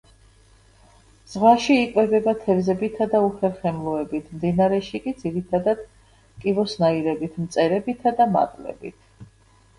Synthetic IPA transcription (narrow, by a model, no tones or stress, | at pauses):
z̥ʁwaʃiːkʼwɛbɛbat̪ʰɛvzɛbit̪ʰad̪auχɛɾχɛmlˠɔɛbit̪ʰmd̪inaɾɛʃikʼid̪ziɾit̪ʰad̪ad̪̥ | kʼivɔsnaiɾɛbit̪ʰmt̪sʼɛɾɛbit̪ʰad̪ama̰t̪ʼlɛ̰bḭt̪ʰ